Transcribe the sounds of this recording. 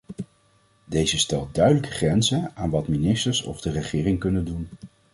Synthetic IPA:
dejzəstɛlˠt̚dœɥdələkəχrɛnzəaːnʋɑtminɪstəɹsɔ̰vdərəχɪːrɪŋkɵnəndun

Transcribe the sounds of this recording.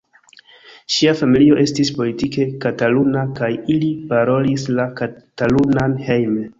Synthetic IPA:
ʃiafamilio̞ʔe̞stispo̞litike̞katalunakajilipaɾo̞lislakatalunanhe̞jme

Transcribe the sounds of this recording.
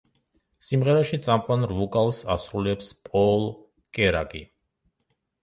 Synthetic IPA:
simʁɛɾaʃit̪sʼamqʼwanɾvukʼalˠsasɾulɛpspʼɔl | kʼɛɾa̰ɡʼḭ

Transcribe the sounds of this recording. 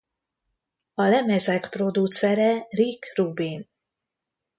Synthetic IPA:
ɒlɛmɛzɛkpro̞d̪ut̪sɛɾɛrikrubin

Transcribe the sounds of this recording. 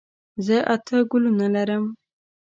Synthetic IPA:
zəʔat̪ʰəɡʊlunalaɾəm

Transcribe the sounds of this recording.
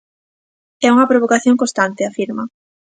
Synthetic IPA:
ɛuŋɐpɾoβokaθjoŋkõst̪ant̪eafiɾmɐ

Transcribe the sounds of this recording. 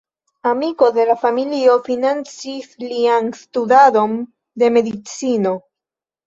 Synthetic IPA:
amiko̞de̞lafamilio̞finant͡sislianstudado̞n | de̞me̞dit͡sino̞

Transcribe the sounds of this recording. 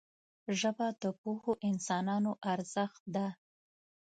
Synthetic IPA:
ʒəbad̪əpuhoʔɪnsɑnɑnoʔaɾz̥əxt̪̚d̪a

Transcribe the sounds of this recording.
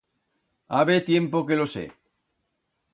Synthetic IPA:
aβet̪je̞mpo̞ke̞losḛ

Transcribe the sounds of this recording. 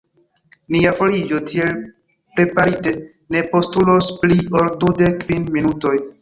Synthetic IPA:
niafo̞lid͡ʒo̞tʰie̞l | pɾe̞paɾite | ne̞po̞stulospliʔoldude̞kvinminuto̞j

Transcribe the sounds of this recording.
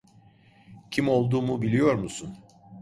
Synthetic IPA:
cʰimo̞lˠd̪uːmubilʲijo̞ɾmusun

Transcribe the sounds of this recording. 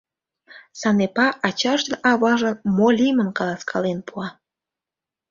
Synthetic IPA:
sɑnepɑʔɑt͡ɕɑʃd̪eʔɑβɑʒə̆molʲimənkɑlɑskʰɑlenpuɑ

